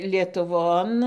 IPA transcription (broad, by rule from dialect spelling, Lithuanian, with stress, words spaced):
lʲiɛtʊˈʋoːn